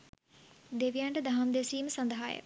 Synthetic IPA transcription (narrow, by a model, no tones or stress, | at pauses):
d̪eʋijaɳʈəd̪ɐɦɐmd̪esiːmsɐnd̪əɦajə̰